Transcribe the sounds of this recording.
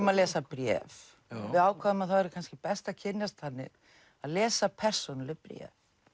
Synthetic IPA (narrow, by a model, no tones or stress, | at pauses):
maðlɛːsapɾjɛ̰ːv | vɪðaːwkʰvaðɪmaðθawɛɾɪkʰanscɪpɛst̪aðcʰɪnjast̪θanːɪ̰ | aðlɛːsapʰɛr̥sɔnalːɪpɾjɛ̰ːf